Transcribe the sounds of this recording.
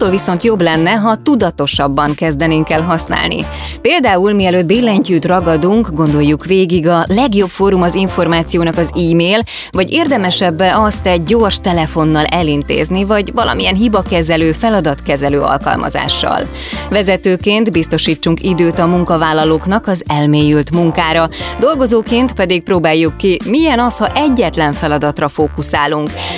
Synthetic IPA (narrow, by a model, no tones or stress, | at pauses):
t̪ːoːlviso̞nt̪jo̞blɛnːɛɦɒt̪ud̪ɒt̪o̞ʃɒbːɒŋkɛzd̪ɛniŋkɛlɦɒsna̰ːlnḭpeːld̪aːulmiɛløːd̪̚biːlːɛɲcyːt̪rɒɡɒd̪uŋkɡo̞nd̪o̞jːukʋeːɡiɡɒlɛɡjo̞pfoːɾumɒziɱfo̞rmaːt̪sijoːnɒkɒziːmeːl | vɒɟeːrd̪ɛmɛʃɛbːɛɒst̪ɛɟ̚ːo̞ːrʃt̪ɛlɛfo̞nːɒlʔɛlint̪ḛːznivɒɟvɒlɒ̰mijɛnɦibɒkɛzɛløːfɛlɒd̪ɒt̪kɛzɛløːɒ̰lkɒ̰lmɒ̰za̰ːʃːɒ̰l | vɛzɛt̪øːkeːnt̪bist̪o̞ʃiːt͡ʃːuŋkid̪øːt̪ɒmuŋkɒvaːlːɒloːknɒkɒzɛlmeːjylt̪muŋkaːɾɒd̪o̞lɡo̞zoːkeːnt̪pɛd̪ik̚proːbaːjːukːimijɛnɒshɒʔɛɟːɛt̪lɛɱfɛlɒd̪ɒt̪rɒfoːkusaːluŋk